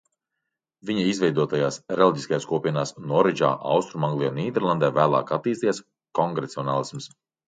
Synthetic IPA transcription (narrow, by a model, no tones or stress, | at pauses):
vʲiɲaizvɛjd̪uɔt̪ajaːsɾɛlʲˠiɟʲiskajaːskuɔpʲiɛnaːsnɔɾɛd͡ʒa̰ːʔa̰wst̪ɾumaŋɡlˠijɔniːd̪ʲɛɾlˠand̪ɛːvæːlˠa̰ːkat̪ːiːst̪ijas | kɔŋɡɾɛt̪siɔnaːlˠisms